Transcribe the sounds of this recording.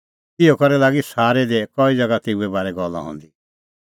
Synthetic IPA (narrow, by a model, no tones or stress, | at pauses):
t̪ɪokɐɾɛlaːɡisaːɾɛd̪ekɔid͡ʒɐɡat̪euɛbaːɾɛɡɔlːã̰ɦɔ̰̃ːnd̪i